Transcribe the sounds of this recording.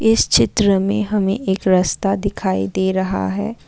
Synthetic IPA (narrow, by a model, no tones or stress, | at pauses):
ɪst͡ʃɪt̪ɾəmẽɦɐmẽʔeːkɾɐst̪ad̪ɪkʰaːḭd̪eːɾɐɦa̰ɦɛ̰ː